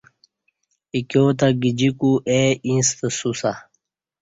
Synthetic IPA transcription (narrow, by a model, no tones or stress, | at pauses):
ikjot̪aɡid͡ʑikuʔeʔĩst̪əsusa